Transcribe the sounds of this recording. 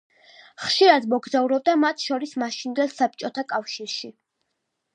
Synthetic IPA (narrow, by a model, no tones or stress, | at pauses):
χʃiɾad̪mɔɡzauɾɔb̚d̪amat̪ʰʃɔɾismaʃind̪ɛlˠsap̚t͡ʃʼɔt̪ʰakʼafʃiɾʃi